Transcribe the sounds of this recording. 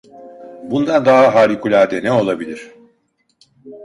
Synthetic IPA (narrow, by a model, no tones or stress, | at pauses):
bund̪and̪aɦaɦaːɾikʰulʲaɾd̪enɛo̞lˠabilʲiɾ̝̥